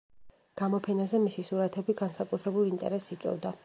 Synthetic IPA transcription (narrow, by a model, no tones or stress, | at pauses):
ɡ̥amɔpʰɛnazɛmisisuɾat̪ʰɛbiɡansakʼut̪ʰɾɛbulˠint̪ʼɛ̰ɾɛsːit̪sʼwɛ̰vd̪a